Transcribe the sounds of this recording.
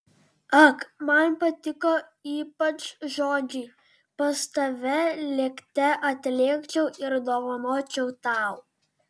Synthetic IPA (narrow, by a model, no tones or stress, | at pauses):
ɐkmɐnpɐt̪ʲɪkoːiːpɐt͡ʃʒoːd͡ʒʲɛɪ | pɐst̪ɐʋʲɛlʲɛkt̪ʲɛʔɐt̪ʲlʲeːkt͡ʃʲɛʊɪɾd̪oːʋɐnoːt͡ʃʲɛʊt̪ɑˑʊ